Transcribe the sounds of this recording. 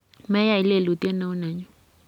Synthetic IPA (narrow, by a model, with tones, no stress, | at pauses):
mɛ˦ja˦˨i˨˦le˦˨lu˨t̪jɛ˦na˦u˦nɛ˨ɲɔ˦